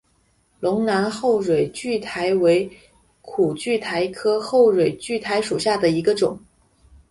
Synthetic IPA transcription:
lʊ˧˥ŋna˧˥nxo˥˩ʊʂwe˨˩ɪt͡ɕy˥˩t̪ʰa˧˥ɪwe˧˥ɪ | kʰu˨˩t͡ɕy˥˩t̪ʰa˧˥ɪkʰɤ˥xo˥˩ʊɻwe˨˩ɪt͡ɕy˥˩t̪ʰa˧˥ɪʂu˨˩ɕja˥˩d̪ə˩i˧˥ɡə˧ʈ͡ʂʊ˨˩˦ŋ

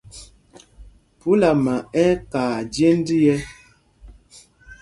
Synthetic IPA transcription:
pu˦la˨ma˨ɛ˦kaː˨d͡ʒe˦n˦di˦jɛ˦

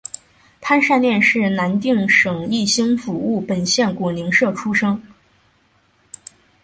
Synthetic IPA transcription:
pʰa˥nʂa˥˧nljɛ˥˧nʂɻ̩˥˩na˧˥nt̪i˥˩ŋʂɤ˨˩ŋi˥˩ɕi˥ŋfu˨˥u˥˩pə˨˩nɕjɛ˥˩nkwɔ˨˩ni˧˥ŋʂɤ˥˩ʈ͡ʂʰu˥ʂɤ˥ŋ

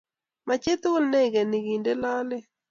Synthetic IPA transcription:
ma˨t͡ʃe˦t̪ʊ˦lne˦ɡe˨nɪ˨ɡi˨nde˦la˦lɪ˦

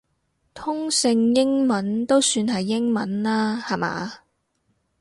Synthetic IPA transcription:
t̪ʰʊ˥ŋsɪ˧ŋjɪ˥ŋmɐ˨˥nt̪o˥wsyː˧nɦɐ˨jːɪ˥ŋmɐ˨˥nlaː˥hɐ˨˩ma̰ː˨˧

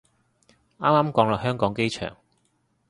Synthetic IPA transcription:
aː˥maː˥mkɔː˨˥ŋlɔː˨˩hœː˥ŋkɔː˨˥ŋke˥jt͡ʃʰœ̰ː˨˩ŋ

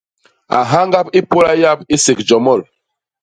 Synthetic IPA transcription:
a̰˨ɦa˦ŋɡa˦pi˦po˦la˦ja˦pi˦se˨kd͡ʒɔ˨mɔ˦˨l

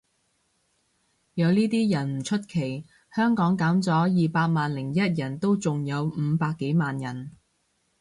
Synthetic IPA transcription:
jɐ˨˧wniː˥t̪iː˥jɐ˨˩nm̩˨˩t͡ʃʰɵ˥t̚kʰe˨˩j | hœː˥ŋkɔː˨˥ŋkaː˨˥mt͡sɔː˨˥jiː˨paː˧k̚maː˨nlɪ˨˩ŋjɐ˥t̚jɐ˨˩nt̪o˥wt͡sʊ˨ŋjɐ˨˧wm̩ː˨˧paː˧kːe˨˥jmaː˨njɐ˨˩n

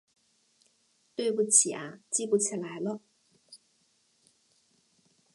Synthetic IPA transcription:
t̪we˥˧ɪpu˥˩t͡ɕʰi˨˩ʔa̰˨˩t͡ɕi˥pu˥˩t͡ɕʰi˨˩la˨˦jlɔ˥˧

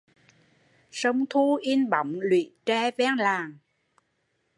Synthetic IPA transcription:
sə˧wŋ͡mt̪ʰu˧ʔi˧nɓə˧˨˦wŋ͡mlwḭ˧˨t͡ɕɛ˧vɛ˧ŋlaː˨˩ŋ

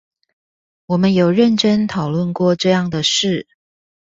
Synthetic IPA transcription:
wɔ˨˩mə˨˦njo˨˩ʊɻə˥˨nʈ͡ʂə˥nt̪ʰɑ˨˩ʊlwə˥˧nkwɔ˥˧ʈ͡ʂɤ˥˧jɑ˥˩ŋd̪ə˩ʂɻ̩˥˩

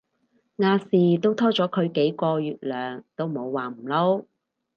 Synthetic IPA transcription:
ŋaː˧siː˨t̪o˥wt̪ʰɔː˥t͡ʃɔː˨˥kʰɵ˨˧ɥke˨˥jkɔː˧jyː˨t̚lœː˨ŋt̪o˥wmo˨˧wwaː˨m̩˨˩lo˥w

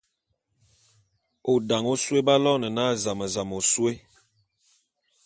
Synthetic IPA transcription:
o˨da˨ŋo˦swe˦ba˦lɔ˦nə˨na˦˨za˨mə˨za˨mo˨swe˦

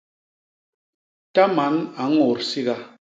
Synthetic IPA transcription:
ta˦ma˨˦na˨˦ŋɔ˨ɾsi˦ɣa˦

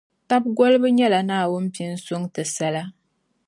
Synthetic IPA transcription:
ta˦b̚ɡo˦lɨ˦bɨ˦ɲɛ˦la˨naː˦˨wʊ˦n˦pi˦n˦sʊ˦ŋtɨ˨sa˦la˦

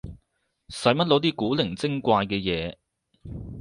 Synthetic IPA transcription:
sɐ˨˥jmɐ˥t̚lo˨˧˥t̪̬iː˥kuː˨˥lɪ˨˩ŋt͡sɪ˥ŋkʷaː˧jkɛː˧jɛː˨˦

